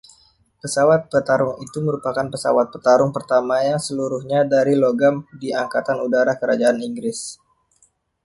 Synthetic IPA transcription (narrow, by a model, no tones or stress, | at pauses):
pəsawat̪̚pət̪aɾʊŋit̪uməɾupakanpəsa̰wat̪̚pət̪aɾʊŋpərt̪amajaŋsəluɾʊhɲadaɾiloɡamdiaŋkat̪anudaɾakəɾad͡ʒaaniŋɡɾɪs